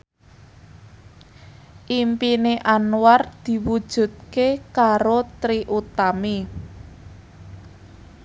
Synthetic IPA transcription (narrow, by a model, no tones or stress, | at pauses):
ʔimpineʔanward̪̥i̤wud̥ʒ̥ṳd̪̚kekaɾot̪ɾiʔut̪ami